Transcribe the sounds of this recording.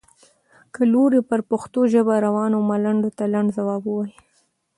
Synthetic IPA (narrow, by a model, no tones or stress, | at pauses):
kəloɾepəɾpʊxt̪oʒəbaɾawɑnomalaɳɖot̪alaɳɖzawɑbəwɑji